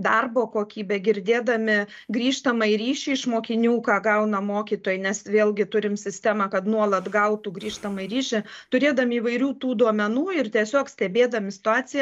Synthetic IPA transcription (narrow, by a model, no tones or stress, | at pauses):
d̪ɐrboːkoːkʲiːbʲɛɡʲɪɾʲd̪ʲeːd̪ɐmʲɪ | ɡɾʲiːʃt̪ɐmɐɪɾʲiːʃʲɛɪʃmoːkʲɪnʲuːkɑːɡɐʊnɐmoːkʲiːt̪oːjnʲɛsʋʲeːlʲˠɡʲɪt̪ʊɾʲɪmsʲɪsʲt̪ʲæːmɑkɐt̪nuɔlˠɐt̪ɡɐʊt̪uɡɾʲiːʃt̪ɐmɐɪɾʲiːʃʲɪt̪ʊɾʲeːd̪ɐmʲɪiːʋɐɪɾʲuːt̪uːd̪uɔmʲɛnuːɪrt̪ʲiɛsʲoːksʲt̪ʲɛbʲeːd̪ɐmʲɪsʲɪ̥t̪ʊaːt͡s̪ʲɪjɛ